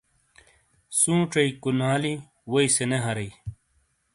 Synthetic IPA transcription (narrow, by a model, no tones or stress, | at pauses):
sũːʈ͡ʂɐikunaːli | wɐiseneɦɐɾɐi